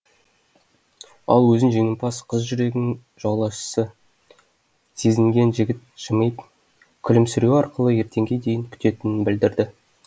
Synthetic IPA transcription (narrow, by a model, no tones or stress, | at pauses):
ɑ̰lˠwɵzɪnʒe̞ŋɪmpʰɑsqʰəzʒʏɾe̞ɡʲɪnɪŋ | ʒ̥ɑwlˠɑʃə̥sə | se̞zɪŋɡʲe̞nʒɪɡʲɪt̪̚ʒ̥əməjp | kʲʰɪlɪmsʏɾewɑɾqəlˠəje̞ɾt̪e̞ŋɡʲe̞d̪e̞jɪŋkʲʰʏ̥t̪e̞t̪ɪnɪnbɪld̪ɪɾd̪ɪ